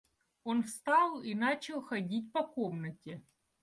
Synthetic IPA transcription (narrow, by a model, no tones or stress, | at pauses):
onfst̪ɑlˠinat͡ɕɪlˠxɐdʲit̬̚ʲpɐkomnətʲɪ